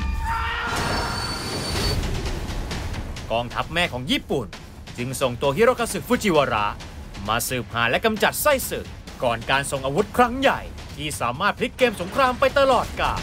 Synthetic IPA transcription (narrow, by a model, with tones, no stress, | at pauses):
kɔː˧ŋt̪ʰa˦˥p̚mɛː˥˩kʰɔː˩˦ŋjiː˥˩pu˨˩n | t͡ɕɯ˧ŋso˨˩ŋt̪u˧ət̪i˥˩ɾaː˥˩kʰːaː˧sɯ˨˩fu˦˥t͡ɕʰiː˧˩waː˧ɾa̰˦˥ | maː˧sɯː˨˩p̚ha̰ː˩˦nlɛ˦˥ka˧mt͡ɕa˨˩t̪̚sa˥˩jsɯː˨˩ | kɔː˨˩nkaː˧nso˨˩ŋʔaː˧wu˦˥t̪̚kʰɾa˦˥ŋja˨˩j | t̪ʰiː˥˩saː˩˦maː˥˩t̪̚pʰli˦˥kːeː˧mso˩˦ŋkʰɾaː˧mpa˧jt̪a˧lɔː˨˩t̪̚kaː˨˩